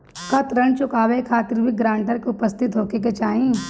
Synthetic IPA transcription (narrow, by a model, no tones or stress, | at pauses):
kɐt̪ɾəɳt͡ʃʊkaːʋekʰaːt̪ɪɾbʱiɡɾãːɳʈəɾkeʊpəst̪ʰɪt̪ɦoːkek̬et͡ʃaːɦĩː